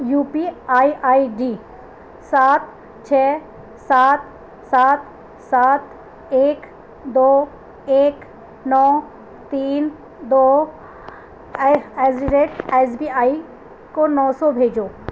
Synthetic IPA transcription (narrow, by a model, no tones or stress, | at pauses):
juːpiaːiʔaːiɖiː | saːt̪ | t͡ʃʰɛːt̚ | saːt̪ | saːt̪ | saːt̪ | eːk | d̪oː | eːk | nɔː | t̪iːn | d̪oː | ɛːsiɖeːʈesbiːaːi | konɔːsɔbʱeːd͡ʒoː